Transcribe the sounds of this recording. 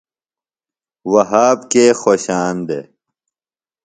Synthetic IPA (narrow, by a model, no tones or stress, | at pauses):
wɐɦaːbkeːxoːɕaːnd̪ḛː